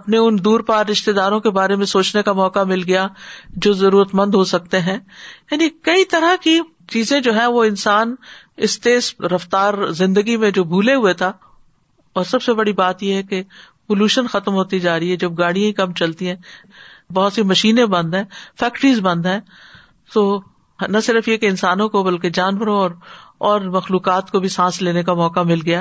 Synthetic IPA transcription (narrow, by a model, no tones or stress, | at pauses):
ɐpneʊnd̪uːɾpaːɾːɪʃt̪ed̪aːɾõkebaːɾemẽsoːt͡ʃnekamɔːkamɪlɡɐjad͡ʒoːzɐɾuːɾət̪mɐ̃nd̪ɦosɐk̚t̪eɦɛ̃ːjaːnikɐit̪ɐɾaki | t͡ʃiːzẽd͡ʒoːɦɛ̃ʋoɪnsaːn | ɪst̪eːsɾɐft̪aːɾzɪ̃nd̪əɡimẽd͡ʒoːbʱuːleɦʊet̪ʰa | ɔːɾsɐbsebɐɽibaːt̪jeɦɛke | poluːʃənxɐt̪mɦoːt̪id͡ʒaːɾiɦɛd͡ʒɐb̚ɡaːɽijãĩkɐmt͡ʃɐlt̪iɦɛ̃ː | bɔɦʊt̪simɐʃiːnẽbɐ̃nd̪ɦɛ̃ːfɛːkʈɾiːzbɐ̃nd̪ɦɛ̃ː | t̪oː | nɐsɪɾəfjekeɪnsaːnõkobɐlked͡ʒaːnʋəɾõɔːɾɔːɾmɐxluːkaːt̪kobʱisãːsleːnek̬amɔːkamɪlɡɐjaː